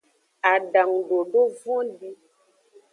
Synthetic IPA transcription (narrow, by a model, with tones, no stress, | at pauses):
a˨ɖa˨ŋɖo˨ɖo˦vɔ̃˦ɖi˦